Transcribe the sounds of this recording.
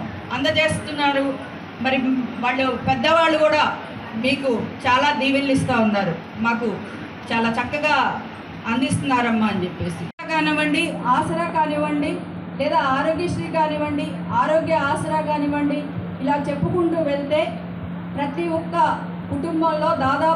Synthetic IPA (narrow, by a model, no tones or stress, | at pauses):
ɐnd̪ɐt͡ʃe̞ːst̪unːaːɾu | mɐɾiʋaːɭːupɛd̪ːɐʋaːɭːukuːɽaː | miːkut͡ʃaːlaːd̪iːʋillist̪aːunːaːɾu | maːku | t͡ʃaːlaːt͡ʃɐkːɐɡaː | ɐnd̪ist̪unːaːɾɐmːaːnd͡ʒepːe̞ːsikaːniʋɐɳɖiaːsɐɾaːkaːniʋɐɳɖi | lɛːd̪aːaːɾo̞ːɡiʂɾikaːniʋɐɳɖi | aːɾo̞ːɡjɐaːsɐɾaːkaːniʋɐɳɖiː | laːt͡ʃe̞pːukuɳʈuːʋeɭt̪e̞ː | pɾɐt̪iɔkːɐ | kuʈumbɐmlo̞ːd̪aːd̪aː